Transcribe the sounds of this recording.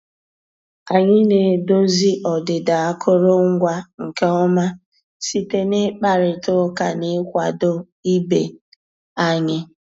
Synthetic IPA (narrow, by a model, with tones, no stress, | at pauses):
a˨ɲɪ˦ne˨do˦zi˦ʔɔ˨dɪ˨da˨a˦kʰʊ˦ɾo˦ŋ̩˦ɡʷa˦ŋ̩˨ke˦ɔ˦ma˦ | si˦te˦nɪ˦k͡pa˨ɾɪ˨tʊ˦ka˨nɪ˦kʷa˨do˦ | i˦be˨ | a˦ɲɪ˦